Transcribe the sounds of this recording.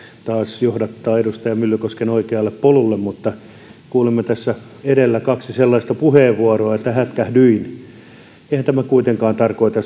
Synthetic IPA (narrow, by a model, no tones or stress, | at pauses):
t̪ɑːsjohdɑt̪ːɑːeɾust̪ɑjɑmylːykoskenoikeɑlːeppolulːemmut̪ːɑ | kuːlemːɑt̪æsːæ | eɾelːækɑksiselːɑist̪ɑpuheːʋʋuɑroɑet̪ːæhæt̪kæhdyin | eihænt̪æmækuit̪eŋkɑːnt̪ɑrkoit̪ɑ